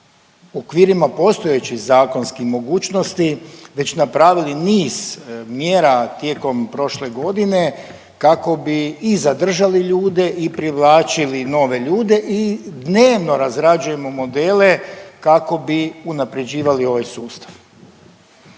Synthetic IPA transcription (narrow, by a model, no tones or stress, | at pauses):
okʋiːɾimapo̞st̪o̞jet͡ɕixzaːko̞nskixmo̞ɡuːt͡ʃno̞st̪iʋe̞t͡ɕnapɾaːʋiliniːz̥mjeːɾat̪je̞ːko̞mpɾo̞ʃle̞ɡo̞d̪ine̞ | kako̞biːzad̪r̩ʒaliʎuːd̪e̞ʔipɾiʋlˠaːt͡ʃilino̞ʋe̞ʎuːd̪e̞ʔid̪ne̞ːʋno̞ɾazɾad͡ʒuje̞mo̞mo̞d̪eːle̞kako̞biunapɾe̞d͡ʑiːʋalio̞ʋajsuːst̪ḁʋ